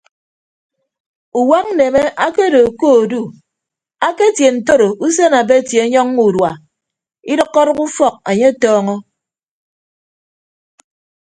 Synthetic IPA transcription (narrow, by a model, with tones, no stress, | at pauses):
u˨wa˦k̚n̩˦ne˨me˦ʔa˦ke˦do˨koː˦˨du˦˨ | a˦ke˦˨tje˨n̩˨to˦ɾo˨u˦s̬e˦na˨be˦˨tje˨˦ɲɔ˦ŋːu˨dwa˨ | i˦dɔ˦kːɔ˦ɾɔ˦ku˦fɔ˦˨k̚e˨ɲe˦tɔː˦ŋɔ˦